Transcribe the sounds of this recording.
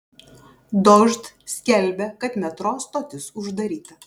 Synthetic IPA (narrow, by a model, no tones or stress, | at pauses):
d̪ɔʒt̪sʲkʲɛlʲbʲɛkɐt̪mʲɛt̪ɾoːst̪oːt̪ʲɪsʊʒd̪ɐɾʲiːt̪ɐ